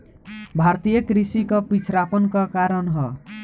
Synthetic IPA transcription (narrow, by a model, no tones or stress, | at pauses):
bʱaɾt̪ijʌkɾisikɔpit͡sʰɾapɔnkɔkaɾʌnɦɔ